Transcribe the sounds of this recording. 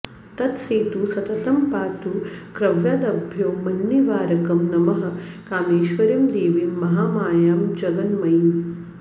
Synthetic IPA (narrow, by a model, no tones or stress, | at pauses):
t̪ɐt̪seːt̪usɐt̪ɐt̪ɐmpaːt̪ukɾɐʋjaːd̪ɐbʱjoːmɐnːiʋaːɾɐkɐmnɐmɐɦɐ̆ | kaːmeːʃʋɐɾɐmd̪eːʋimːɐɦaːmaːjaːmd͡ʒɐɡɐnmɐjim